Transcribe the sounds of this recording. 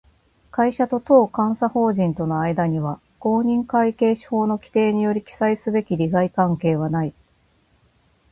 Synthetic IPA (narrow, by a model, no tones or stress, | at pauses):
kaiɕat̪o̞t̪o̞ːkãɰ̃saho̞ːʑĩnt̪o̞noaid̪aɲ̟iβa | ɡ̥o̞ːɲ̟ĩŋkaike̞ːɕi̥ho̞ːno̞kʲi̥t̪e̞ːɲ̟ijo̞ɾʲikʲi̥saisɨbe̞kʲiɾʲiɡaikãŋke̞ːβ̞anai